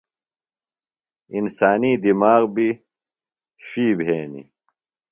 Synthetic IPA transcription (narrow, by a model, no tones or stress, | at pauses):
insaːnid̪imaːɣbi | ɕiːbʱeːnḭ